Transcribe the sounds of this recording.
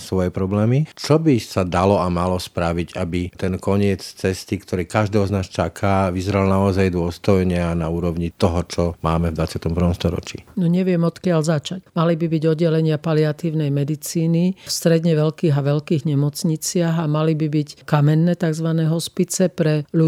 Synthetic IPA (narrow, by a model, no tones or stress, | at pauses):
sʋɔjɛpɾɔblɛːmit͡ʃɔbisad̪alɔamalɔspɾaʋiɟabit̪ɛnkɔɲɪɛt͡st͡sɛst̪ikt̪ʰɔɾiːkaʒd̪ɛːɦɔznaːst͡ʃakʰaːʋizɾalnaɔzajd̪ʊɔst̪ɔjɲɛanauːɾɔʊɲit̪ɔɦɔt͡ʃɔmaːmɛvd̪ʋat͡sɪat̪ɔmpɾr̩ʋɔmst̪ɔɾɔ̰t͡ʃḭnɔɲɛʋɪɛmɔt̪kɪaʎzat͡ʃacmalibibiɟɔd̪ːɛlɛɲɪapaliat̪iːʊnɛjmɛd̪it͡siːnifst̪ɾɛd̪ɲɛʋɛlkiːɦaʋɛʎkiːɣɲɛmɔt͡sɲit͡sɪaɦamalibibickamɛnːɛːt̪aɡzʋanɛɦɔspit͡sɛpɾɛlu